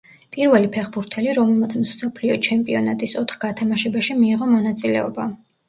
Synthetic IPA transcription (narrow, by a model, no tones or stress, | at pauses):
pʼiɾvɛlipʰɛχbuɾt̪ʰɛliɾɔmɛlˠmat̪sʰmsɔpʰliɔt͡ʃʰɛmpʼiɔnat̪ʼisɔt̪ʰχɡ̥at̪ʰamaʃɛbaʃimiːʁɔmɔnat̪sʼilɛ̰ɔba